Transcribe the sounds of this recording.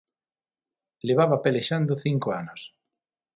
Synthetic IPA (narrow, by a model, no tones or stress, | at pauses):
leβaβapeleʃand̪oθiŋkoanos